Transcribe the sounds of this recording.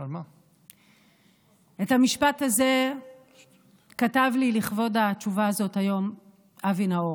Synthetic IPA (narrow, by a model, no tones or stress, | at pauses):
alma | e̞thamiʃpathaze̞ | katavliliχvo̞dat͡ʃuvaːzo̞thajo̞m | ʔavinao